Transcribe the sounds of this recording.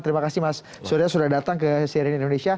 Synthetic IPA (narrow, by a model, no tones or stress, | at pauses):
t̪əɾimakasimas | soɾiasudahdat̪aŋkəsiɾinindonesia